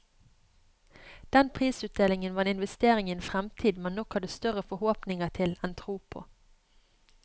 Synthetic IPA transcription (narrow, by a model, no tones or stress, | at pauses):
d̪̥ɛnpʰʁiːsʉːt̪̚d̪eːlɪŋənʋɑːenɪnʋɛst̪eːʁɪŋɪnfʁɛmt̪ʰiːd̪mɛnɔkhɑd̪əst̪œʁəfɔhoːpnɪŋəʁt̪ʰɪlɛnt̪ʰʁuːpʰo̰ː